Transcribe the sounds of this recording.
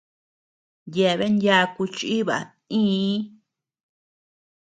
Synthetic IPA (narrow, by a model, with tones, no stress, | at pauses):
je˨˧βe˦ndʲja˧ku˧t͡ʃi˦βa̰˨ | ĩː˦